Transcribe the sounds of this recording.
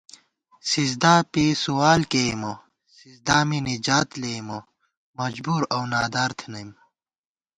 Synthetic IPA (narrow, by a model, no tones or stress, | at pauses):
sizd̪aːpisuwaːlkemo | sizd̪aːminid͡ʑaːt̪lemo | mɐd͡ʑbuːɾɐwnaːd̪aːɾt̪ʰnɐjm